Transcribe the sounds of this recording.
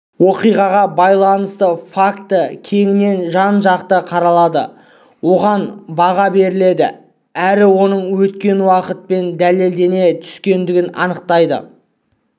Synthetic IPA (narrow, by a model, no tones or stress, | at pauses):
wo̞qijʁɑʁɑbɑjlˠɑnəst̪əfakt̪əkʲʰe̞ŋɪne̞nʒɑnʒɑqt̪əqʰɑɾɑlˠɑd̪ə̰ | wo̞ʁɑnbɑʁɑbe̞ɾɪle̞d̪ɪ̰ | æɾɪwo̞nəɴwɵt̪kʲe̞nwɑqət̪̚pe̞nd̪æle̞ld̪e̞ne̞t̪ʰʏ̥skʲe̞nd̪ɪɡʲɪnɑ̰nəq̚t̪ɑjd̪ə̰